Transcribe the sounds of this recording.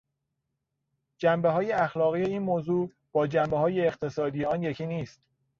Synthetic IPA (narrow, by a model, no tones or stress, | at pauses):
d͡ʒæmbeɦɒːjeæxlɒːɣije̞iːnmoːzuː | b̥ɒːd͡ʒæmbeɦɒːje̞ːχt̪ʰe̞sɒːd̪ijeɒːnjecʰiːniːst̪